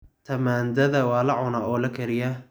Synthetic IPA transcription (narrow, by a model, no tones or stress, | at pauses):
t̪ʰɐmaːnd̪ɐðɐwɑːlɐʕʊnaːɔːlɐkʰɐɾɪjɐ